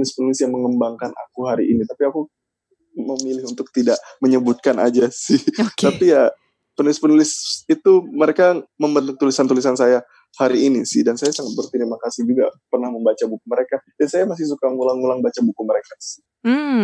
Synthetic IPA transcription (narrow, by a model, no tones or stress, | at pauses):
ulɪspənulɪsjaŋməŋəmbaŋkana̰kuɦaɾiʔinit̪apiaku | məmilɪhunt̪ʊk̚t̪idaʔməɲəbut̪̚kana̰d͡ʒasɪht̪apija | pənulɪspənulɪsit̪uməɾekaməmbənt̪ʊk̚t̪ulisant̪ulisansaja | haɾiːnisɪhdansajasaŋat̪̚bərt̪iɾimakasɪhd͡ʒuɡa̰pərnahməmbat͡ʃabukuməɾekad̥ansajamas̬ɪhs̬ukaŋulaŋulaŋbat͡ʃabukuməɾekasɪ̥h